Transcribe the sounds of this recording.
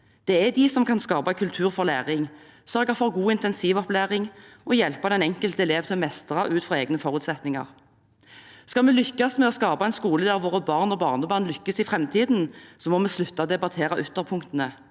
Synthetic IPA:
d̪̥ɛæd̪isɔmkʰɑnskɑːbɑkʰʉlt̪ʰʉːʁfɔʁlæːʁɪŋ | sœʁɡɑfɔʁɡuːɪnt̪ɛnsiːʋɔplæːʁɪŋʔɔjɛlpəd̪ɛnɛŋkəlt̪ɛleːʋt̪ʰɪlmɛst̪əʁɑʔʉːt̪fʁɑeːɡnəfɔʁʉːt̪sɛt̪nɪŋɑ̰ʁ | skɑlmɛlʏkːɑsmɛɔskɑːbɑæɛnskuːləd̪æʁʋoːʁəbɑːʁnɔbɑːʁnəbɑːʁnlʏkːəsɪfʁɛmt̪ʰiːd̪n̩sɔmɔmɛːslʉt̪ːɑd̪ɛbɑt̪ʰeːʁɑʔʉt̪ːəʁpʰʊŋkt̪ənə

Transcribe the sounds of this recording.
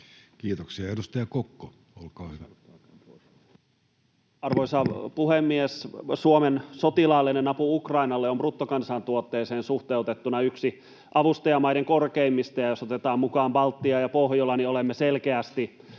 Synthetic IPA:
kiːt̪oksiɑedust̪ɑjɑkokːo | olkɑːhy | ɑrʋoisɑpuhemːiessuomensot̪ilɑːlːinenɑpuukrɑinɑlːeomprut̪ːokɑnsɑnt̪uot̪ːeːseːnsuht̪eut̪et̪ːunɑyksi | ʔɑʋust̪ɑjɑmɑiɾeŋkorkeimːist̪ɑjɑjosot̪et̪ɑːmmukɑːmbɑlt̪ːiɑjɑpohjolːɑniolemːeselkeæst̪i

